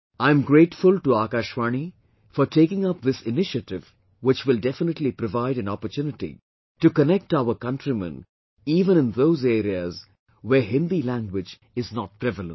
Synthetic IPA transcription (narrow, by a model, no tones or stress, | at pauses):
ãɪ̃mɡɾeːʈfʊlʈuaːkaːʃʋaːni | fɔɾʈeːkɪ̃ŋʌp̚ðɪsɪnɪʃəʈɪv | wɪt͡ʃwɪldɛfɪnəʈlipɾɔvaɪɾæ̃nɔpətjunɪʈḭ | ʈukənɛk̚ʈaʊəkʌ̃nʈɾimɛ̰̃n | iːvə̃nɪ̃nðoːzeːɾiəz | wɛɦɪ̃nd̪ilæ̃ŋɡwɪd͡ʒ | ɪznɔʈ̚pɾɛvələ̃n